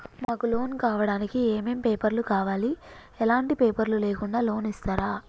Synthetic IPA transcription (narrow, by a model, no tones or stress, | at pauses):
maːkulo̞ːnkaːʋɐɽaːnikieːmeːmpeːpɐɾlukaːʋaːli | ɛlaːɳʈipeːpɐɾluleːkuɳɖaːlo̞ːnist̪aːɾaː